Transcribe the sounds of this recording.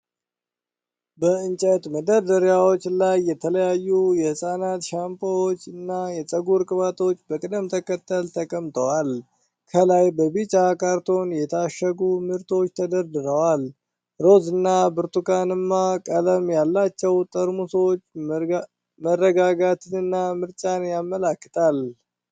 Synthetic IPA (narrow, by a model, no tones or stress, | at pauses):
bəɨnt͡ʃʼət̪məd̪əɾd̪əɾjawo̞t͡ʃːlajːɛt̪ʰələjajːujɛhɨsʼanat̪ʃampʰʼəwot͡ʃːɨnːajɛsʼəɡuɾkʼɨβat̪ʰo̞t͡ʃːbəkʼɨd̪ɨmt̪ʰəkət̪ʰːəlt̪ʰəkʼəmt̪ʼəwal | kʰəlajbəbit͡ʃʼakʰʼaɾt̪ʰo̞njɛt̪ʰaʃːəɡumɨɾt̪ʰo̞t͡ʃːt̪ʰəd̪əɾd̪ɨɾəwal | ɾo̞zɨnːabɨɾt̪ukʰanɨmːakʼələmjalːat͡ʃːɛwt̪ʼəɾmusot͡ʃː | mərːəɡaɡat̪ʰɨnɨnːamɨɾt͡ʃʼanjamːəlakːɨt̪ʰal